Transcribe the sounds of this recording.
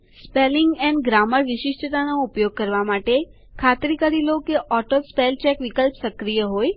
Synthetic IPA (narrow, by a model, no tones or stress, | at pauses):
spelɪŋɡɛnɖɡɾaməɾʋɪʃɪʃʈət̪anoupjoɡ̚kəɾʋamaʈe | kʰat̪ɾikəɾilokeʔɔʈospelt͡ʃɛkʋikəlpsəkɾijəɦoj